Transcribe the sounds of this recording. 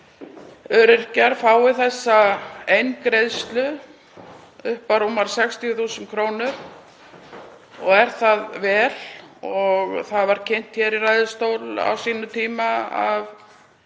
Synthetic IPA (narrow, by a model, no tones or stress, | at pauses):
œːɾɪɾ̥caɾ̥faːwɪθɛsːaejnkɾejðst̪lʏ | ʏhpaɾumːaɾsɛkst̪ijʏθuːsʏnkʰɾoːwnʏɾ̥ | ɔɣɛɾ̥θaðvɛːlɔɣθaðvaɾ̥cʰejn̥t̪çɛːɾiraːjðʏst̪owla̰wsiːnʏt̪ʰiːmaa̰v